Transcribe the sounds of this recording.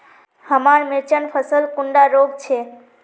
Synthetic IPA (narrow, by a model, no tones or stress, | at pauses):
həmaɾmɪɾt͡ʃənpʰəsəlkuɳɖaɾoɡt͡ʃʰe